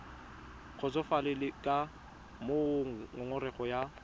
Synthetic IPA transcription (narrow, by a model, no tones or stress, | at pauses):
ɣʊt͡sɔfalɪlɪkʼa | moŋʊŋʊrɛχɔja